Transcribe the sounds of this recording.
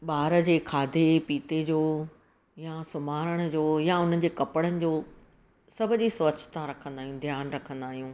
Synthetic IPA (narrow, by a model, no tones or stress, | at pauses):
ɓaːɾə̆d͡ʑeːkʰaːd̪ʱepiːt̪ed͡ʑoː | jasʊmaːɾəɽ̃ə̆d͡ʑoːjaʊn̤ən̆d͡ʑeːkɐpəɽənɪ̆d͡ʑoː | sɐbʱʊd͡ʑisʋɐt͡ɕt̪aɾɐkʰə̃nd̪aːɦijũd̪ʱjaːnɾɐkʰə̃nd̪aːɦijũː